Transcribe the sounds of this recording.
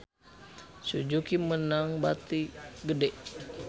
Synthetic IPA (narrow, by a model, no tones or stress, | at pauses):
sud͡ʒukimənaŋbat̪iɡədɛʔ